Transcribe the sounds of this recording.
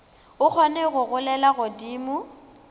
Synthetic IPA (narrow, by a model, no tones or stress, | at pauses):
ʊk͡xʰɔnɛɣʊɣʊlɛlaɣʊdiːmʊ